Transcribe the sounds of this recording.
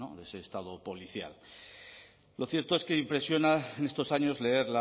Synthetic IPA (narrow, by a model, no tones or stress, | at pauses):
o̰ðese̞ːst̪að̞o̞po̞liθja̰l | lo̞θjeɾt̪o̞eske̞impɾe̞sjo̞naene̞st̪o̞saɲo̞zle̞e̞ɾla